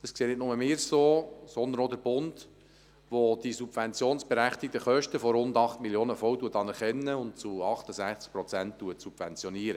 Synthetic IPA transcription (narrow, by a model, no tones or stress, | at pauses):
d̪̥ɑskseːtnɪt̚nʊməmɪːɾsoːsɔndənɔd̪əɾb̥ʊnd | ʋod̥isub̥vɛnt͡sjoːnsb̥eɾæχt̪ɪk̚təχœʃtəfɔɾʊndɑχtmiljoːnəfɔwtuətɑnɛɾχɛnːəʊnt͡suɑχt̪əsæχt͡sk̚pɾɔt͡sænttuətsub̥vɛnt͡sjɔniːəɾə